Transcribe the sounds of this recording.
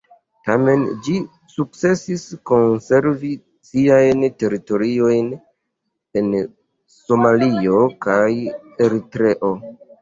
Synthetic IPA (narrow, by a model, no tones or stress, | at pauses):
tame̞nd͡ʒi | suk̚t͡se̞sisko̞nse̞ɾvi | siajnte̞ɾito̞ɾio̞jn | en | so̞malio̞kaje̞ɾitɾe̞ʔo̞